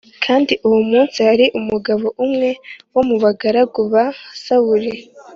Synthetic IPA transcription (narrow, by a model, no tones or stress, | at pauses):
kʰaːndiʔuwomuːnsihaɾiʔumuɡaβo̞ʔumŋe̞wo̞muβaɡaɾaɡuβasawuɾe